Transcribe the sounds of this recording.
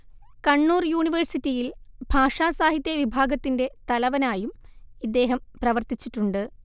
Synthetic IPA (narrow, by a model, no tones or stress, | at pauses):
kɐɳːuːrjuːɳiʋɐrsitːijilbʱaːʂaːsaːɦit̪jɐʋibʱaːɡɐt̪ːinde̞t̪ɐlɐʋɐnaːjumid̪ːe̞ːɦɐmprɐʋɐrt̪it͡ɕːiʈːuɳɖɨ